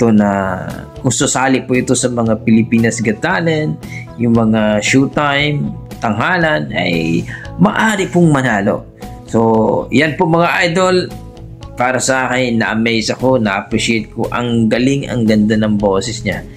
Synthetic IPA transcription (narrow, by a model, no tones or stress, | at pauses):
ɪt̪o̞nɐ | kʊŋsʊsaːlɪpʊʔɪt̪o̞sɐmɐŋapɪlɪpiːnɐsɡɐt̪alɛnjʊŋmɐŋaʃut̪ajmt̪ɐŋɦaːlɐnɐ̰jmɐʔaːɾɪpʊŋmɐnaːlo̞̰ | sojɐnpomɐŋaʔajd̪o̞l | paːɾɐsɐʔaːkɪnnːɐʔɐmɛjsɐko̞nɐʔɐpɾɪʃɛjt̪̚ko̰ʔɐ̰ŋɡɐlɪŋɐ̰ŋɡɐnd̪anɐŋbo̞ːsɛsɲa